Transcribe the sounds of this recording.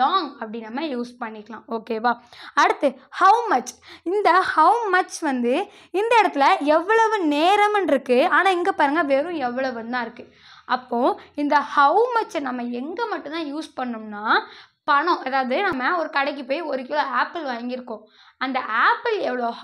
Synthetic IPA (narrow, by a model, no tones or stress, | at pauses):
laːŋɐpːɐɽinːɐmːɐjuːspɐɳːɪkːɐɭãːʔoːkeːʋaːɐɽɯt̪ːɯhɐʊmɐt͡ʃɪnd̪ɐhɐʊmɐt͡ʃʋɐnd̪ɯ | ɪnd̪ɐɪɽɐt̪ːɪlɐɛʋːɐɭɐʋɯ̃neːɾɐmɛnɾɯkːɯaːnãːɛŋɡɐpaːɾɯŋɡɐʋeːɾʊ̃ɛʋːɐɭɐʋɐnt̪ãːɪɾɯkːɯ | ʔɐpːõːɪnd̪ɐhɐʊmɐt͡ʃːnɐmːɐɛŋɡɐmɐʈːʊ̃t̪ãːjuːspɐɳːɯmnaː | pɐɳõʔɛðaːʋɐðɯnɐmːɐɔɾɯkɐɽɛɪk̬ːɯpoːjɔɾɯk̬ɪloːaːpːɪlʋajɐŋɡɪɾɯkːõ | ɐnd̪ɐʔaːpɪlɛʋːɐɭo